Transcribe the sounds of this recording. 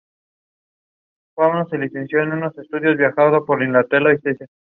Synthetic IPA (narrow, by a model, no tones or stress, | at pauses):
kwawnoselisensjoenuno̞se̞st̪uðjo̞zβjaxaðopoɾinlat̪elaiseise